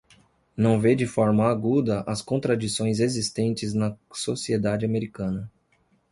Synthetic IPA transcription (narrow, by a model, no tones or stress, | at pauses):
nɐ̃w̃ved͡ʒɪfɔɾmɐaɡud̪ɐʔɐskõnt̪ɾad͡ʒisõj̃zezist̪ẽnt͡ʃɪznɐsosied̪ad͡ʒɪameɾikɐ̃nɐ